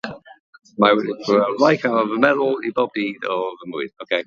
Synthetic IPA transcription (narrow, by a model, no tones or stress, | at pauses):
mawɛdipʰəɹajkʰavəmɛðʊlˠibɔb̚diːdɔvəmʊɨðokʰej